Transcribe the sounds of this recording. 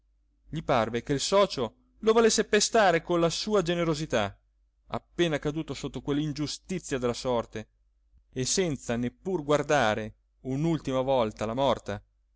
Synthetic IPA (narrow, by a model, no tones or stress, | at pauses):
ʎiparvekeilsɔːt͡ʃo | lovolesːepest̪aːɾekonlasuːad͡ʒeneɾozit̪a | a̰pːeːnakad̪uːt̪osot̪ːokwelːind͡ʒust̪it̪sːjad̪elːasɔrt̪eː | sɛnt̪sanepːurɡward̪aːɾe | unult̪imavɔlt̪alamɔrt̪a